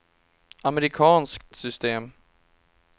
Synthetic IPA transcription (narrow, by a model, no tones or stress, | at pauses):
amɛɾɪkʰɑːnskt̪sʏst̪eːm